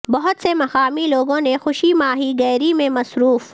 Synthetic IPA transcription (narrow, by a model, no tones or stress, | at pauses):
bɐɦʊt̪semɐxaːmiloːɡõnexʊʃimaːɦiɡɛːɾimẽmɐsɾuːf